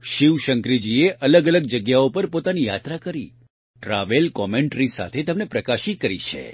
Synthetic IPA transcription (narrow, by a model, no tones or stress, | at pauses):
ʃiʋʃəŋkɾid͡ʒieʔʔələɡələɡ̚d͡ʒəɡjaopəɾpot̪anija̰t̪ɾakəɾḭ | ʈɾaʋelkɔmeɳʈɾisa̰t̪ʰet̪əmnepɾəkaʃikəɾḭt͡ʃʰḛ